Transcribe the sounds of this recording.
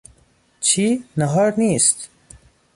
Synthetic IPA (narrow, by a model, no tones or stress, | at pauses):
t͡ɕʰinɐɦɔɾnist̪